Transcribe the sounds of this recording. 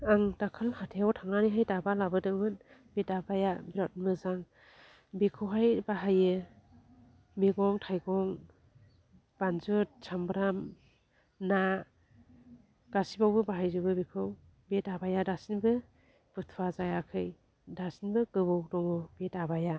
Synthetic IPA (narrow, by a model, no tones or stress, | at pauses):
aŋtakʰɯlhatʰejawtʰaŋaniɦajtabalabɯdɯmɯn | betabajabiɾɔt̚mɯzaŋ | bekʰɯwɦajbaɦajɯ | miɡɔŋtʰajɡɔŋ | b̥anzut̚sambɾam | na | ɡ̥asibawbɯbaɦajzɯbɯbikʰɯw | betabajadasinbɯ | b̥ɯtʰuwazajakʰɯj | dasinbɯkɯbɯwdɔŋɔbetabaja